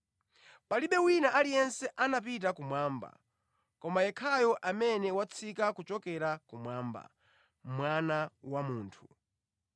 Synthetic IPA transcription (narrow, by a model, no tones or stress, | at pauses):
paliɓɛwinaʔalijɛnsɛʔanap̬it̬akumwaːmba̰ | kɔmajɛkʰajɔʔamɛnɛwat͡sʰikakut͡ʃɔkɛɾakumwaːmba̰ | mwanawamuːntʰu